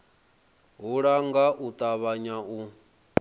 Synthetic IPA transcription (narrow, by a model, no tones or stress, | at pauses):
ɦuɺaŋɡaʔut̪ʼaβaɲau